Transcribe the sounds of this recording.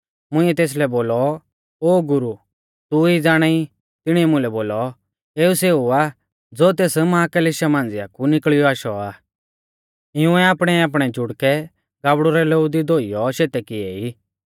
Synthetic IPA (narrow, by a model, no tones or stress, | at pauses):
mʊ̃ɪ̃ɛt̪eːs̬lɛboːlɔ | oːɡʊɾu | t̪uid͡zaːɽ̃ai | t̪ɪɽ̃iɛmʊ̃lɛboːlɔ | eːuseːuaː | d͡zot̪̬eːsmaãkɐlɪʃamãːnd͡zɪja̰kunɪkɭɪjɔaːʃɔaː | ɪũɛaːpɽ̃ɛaːp̬ɽ̃ɛd͡ʒʱʊɽkɛ | ɡaːbɽuɾɛleud̪id̪oːijɔʃeːt̪ɛkɪɛiː